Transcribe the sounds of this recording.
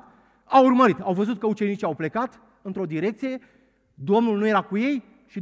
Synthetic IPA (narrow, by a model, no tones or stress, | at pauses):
awurməɾit̪awvəzut̪̚kəut͡ʃe̞nit͡ʃiawple̞kat̪ | ɨnt̪ɾo̞d̪iɾe̞k̚t̪sije̞ | d̪o̞mnulnuje̞ɾakuje̞j | ʃi